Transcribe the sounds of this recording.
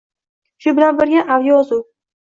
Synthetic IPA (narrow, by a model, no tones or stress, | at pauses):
ʃʊbɪlanbɪɾɡʲanʔavjɒzʊw